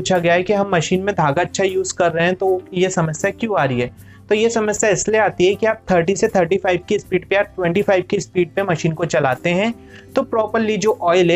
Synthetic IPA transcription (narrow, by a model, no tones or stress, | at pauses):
uːt͡ʃʰaɡɐjaɦɛkiɦɐ̃mːɐʃiːnmẽd̪ʱaːɡaɐtːʃʰajuːzkɐɾːɐɦeɦɛ̃t̪ojesɐməsjakjũaːɾɐiɦɛː | t̪ojesɐməsjaɪslieaːt̪iɦɛkiaːp̚t̪ʰəɾʈiset̪ʰəɾʈifaːɪbkispiːɖpeaːʈʋɛ̃ɳʈifaːɪbkispiːɖ̚pemɐʃiːnkot͡ʃɐlaːt̪eɦɛ̃ | t̪opɾɔːpəɾlid͡ʒoːʔɔːɪlɛ